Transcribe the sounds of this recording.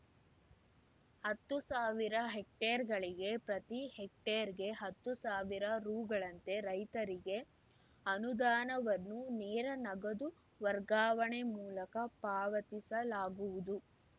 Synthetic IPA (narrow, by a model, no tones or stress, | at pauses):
hɐt̪ːusaːʋiɾɐɦek̚ʈeɐɾɡɐɭiɡe̞pɾɐt̪ihek̚ʈeɐɾɡe̞ɦɐt̪ːusaːʋiɾɐɾuːɡɐɭɐnt̪e̞ɾɐjt̪ɐɾiɡe̞ | ɐnud̪aːnɐʋɐnːunɛːɾɐnɐɡɐd̪u | ʋɐɾɡaːʋɐɳemuːlɐkɐpaːʋɐt̪isɐlaːɡuʋud̪u